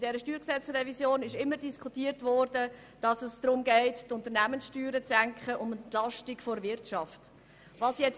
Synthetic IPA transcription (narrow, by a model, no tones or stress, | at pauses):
d̥ɛɾəʃtyːɾksɛt͡srɛvisjoːnɪʃɪmːəɾdiskʰutiːəɾtvɔɾdə | d̥ɑsəsd̪̥ɾʊmɡɛɪttʊnt̪əɾnæmənsʃtyːɾət͡sæŋkχəʔʊməntlɑʃtɪkfɔɾvɪɾtʃɑft | vɑːsjɛt͡s